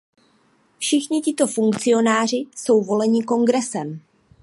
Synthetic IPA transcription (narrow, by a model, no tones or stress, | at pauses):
fʃɪxɲɪcɪt̪o̞fuŋkt͡sɪo̞naːr̝ɪso̞wvo̞lɛɲɪko̞ŋɡɾɛsɛm